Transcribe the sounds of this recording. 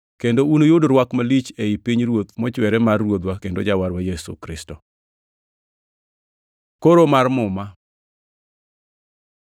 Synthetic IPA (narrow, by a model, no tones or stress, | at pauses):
kendounojodoɾwakmalit͡ʃeipiɲɾwot̪mɔt͡ʃwɛɾɛmarːwot̪wakendod͡ʒawaɾwajesṵkɾɪstɔ | koɾomarmʊma